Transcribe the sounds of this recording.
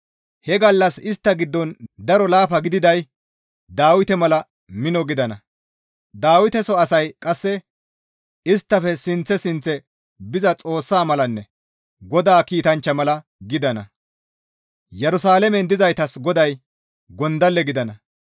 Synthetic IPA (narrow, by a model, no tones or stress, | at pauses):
hɛɡɐlːɐsɪst̪ːɐɡɪd̪ːɔnd̪ɐɾɔlaːfɐɡɪd̪ɪd̪ɐj | d̪aːwɪt̪ɛmɐlɐ | mɪnɔɡɪd̪ɐnɐ | d̪aːwɪt̪ɛsɔɐsɐjkʼɐsːɛ | ɪst̪ːɐfɛsɪnt͡sːɛsɪnt͡sːɛ | bɪzɐt͡sʼo̞ːsːaːmɐlɐnːɛ | ɡɔd̪aːkiːt̪ɐnt͡ʃːɐmɐlɐ | ɡɪd̪ɐnɐ̰ | jɛɾʊsaːlɛmɛnd̪ɪzɐjt̪ɐsɡɔd̪ɐj | ɡɔnd̪ɐlːɛɡɪd̪ɐnɐ